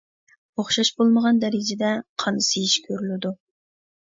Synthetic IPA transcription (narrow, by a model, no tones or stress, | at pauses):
oχʃɑʃbolˠməʁɑnd̪ɛɾɪd͡ʒɪd̪ɛqʰɑnɨsɨjiʃkʲʰøɾylɪd̪u